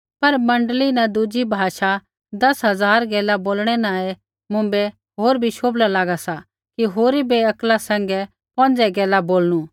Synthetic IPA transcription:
pɐɾmɐ̃ɳɖlinãd̪ʊd͡ʒibʱaːʃa | d̪ɐsɦɐd͡zaːɾɡɛːlaboːlɽ̃ɛnaːe | mʊ̃mbɛ | ɦoːɾbʱiʃoːblalaːɡasa | kiɦoːɾibeɐklasɛ̃ŋ̆ɡɛ | pɔ̃nd͡zɛɡɛːlaboːlñu

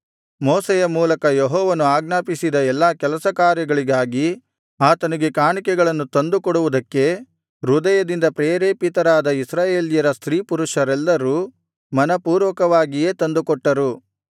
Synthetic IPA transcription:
mɔːsɛjɐmuːlɐkɐjeɦɔːʋɐnuaːɡnaːpisid̪ɐɛlːaːkɛlɐsɐkaːɾjɐɡɐɭiɡaːɡi | aːt̪ɐniɡe̞kaːɳikɛɡɐɭɐnːut̪ɐnd̪ukɔɽuʋud̪ɐkːe̞ | ɾud̪ɐjɐd̪ind̪ɐpɾeːɾeːpit̪ɐɾaːd̪ɐisɾaːje̞ːljɐɾɐst̪ɾiːpuɾuʂɐɾɛlːɐɾu | mɐnɐpuːɾʋɐkɐʋaːɡije̞ːt̪ɐnd̪ukɔʈːɐɾu

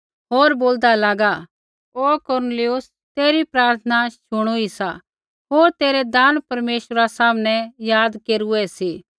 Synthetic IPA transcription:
ɦoːɾboːld̪alaːɡa | okɔɾnəlɪjʊs | t̪eːɾipɾaːɾt̪ʰnaʃʊɽ̃oisa̰ | ɦoːɾt̪eːɾɛd̪aːnpɐɾmeːʃəɾasaːmnɛjaːd̪keːɾuɛsiː

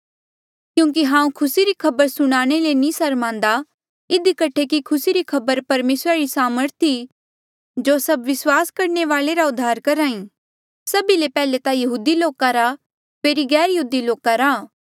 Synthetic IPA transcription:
kjũːŋk̬iɦãːũkʰʊsiɾikʰɐbəɾsʊɽ̃aːɽ̃elenĩːsɐɾmãːnd̪a | ɪd̪ikɐʈʰekikʰʊsiɾikʰɐbəɾpɐɾmeːsɾaɾisaːməɾt̪ʰi | d͡ʒoːsɐbʋɪswaːskɐɾɳeʋaːleɾaʊd̪ʱːaːɾkɐɾaːĩ | sɐbilepɛːlet̪ajɐɦuːd̪iloːkaɾa | feːɾiɡɛːɾjɐɦuːd̪iloːkaɾaː

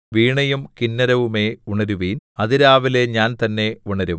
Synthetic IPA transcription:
ʋiːɳɐjumkinːɐɾɐʋume̞uɳɐɾuʋiːnɐðiɾaːʋileɲaːnt̪ɐnːe̞uɳɐɾum

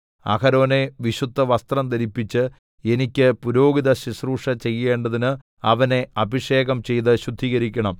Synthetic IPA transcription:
ɐ̰kɐɾoːne̞ʋiɕud̪ʱːɐʋɐst̪rɐmt̪ɐɾipːit͡ɕːɨ | e̞nikʲːɨpuɾo̞ːɡiðɐɕisruːʂɐt͡ɕe̞jːe̞ːɳɖɐðinɨ | ɐʋɐne̞ɐbʱiʂe̞ːɣɐmt͡ɕe̞jt̪̬ɨɕud̪ʱːiːɣɐɾikʲːɐɳɐm

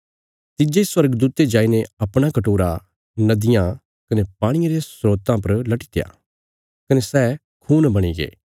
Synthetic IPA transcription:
t̪ɪd͡ʒeswɐɾɡd̪uːt̪ed͡ʒaːineɐpɽ̃akɐʈoːɾa | nɐd̪ɪjã | kɐnepaːɽ̃ɪjeɾesɾoːt̪ãpɐɾlɐʈi̥t̪eja̰ː | kɐnesɛː | kʰuːnbɐɽ̃iɡḛː

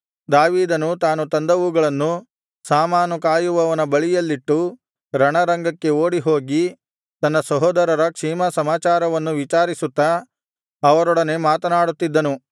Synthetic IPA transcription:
d̪aːʋiːd̪ɐnut̪aːnut̪ɐnd̪ɐʋuɡɐɭɐnːu | saːmaːnukaːjuʋɐʋɐnɐbɐɭijɐlːiʈːu | ɾɐɳɐɾɐŋɡɐkːe̞oːɽiɦo̞ːɡi | t̪ɐnːɐsɐɦɔːd̪ɐɾɐɾɐkʂiːmɐsɐmaːt͡ʃaːɾɐʋɐnːuʋit͡ʃaːɾisut̪ːɐː | ʋɐɾɔɽɐne̞ːmaːt̪ɐnaːɽut̪ːid̪ːɐnu

